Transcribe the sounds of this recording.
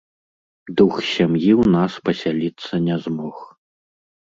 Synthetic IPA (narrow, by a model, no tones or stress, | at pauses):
d̪uxsʲamjiwnaspɐsʲalʲit̪sːɐnʲɛzmɔx